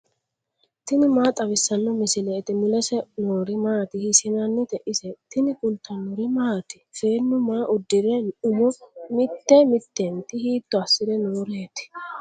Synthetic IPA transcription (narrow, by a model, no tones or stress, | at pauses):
t̪ɪnɪmaːt̪ʼɐβɪsːɐnːɔmɪsɪlɛːt̪ɪmɪlɛsɛnoːɾɪmaːt̪ɪhɪsɪnɐnːɪt̪ɛʔɪsɛt̪ɪnɪkʼʊlt̪ːɐnːʊɾɪmaːt̪ɪ̥feːnːʊmaːʔʊd̪ːɪɾɛʊmɔmɪt̪ːɛmɪt̪ːent̪ɪhiːt̪ːɔɐsːɪd̪ɛnoːɾeːt̪ɪ̥